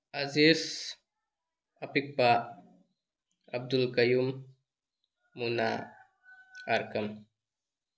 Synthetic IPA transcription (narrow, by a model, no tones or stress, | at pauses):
ɐziːz | ɐpik̚pa | ɐb̚d̪ulkɐjuːm | una̰ | ɐɾkɐm